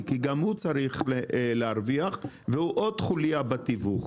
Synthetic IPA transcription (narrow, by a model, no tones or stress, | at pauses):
kiɡamhut͡saɾiχleaɾviaχ | vehuʔod̪χuliabat̪ivuχ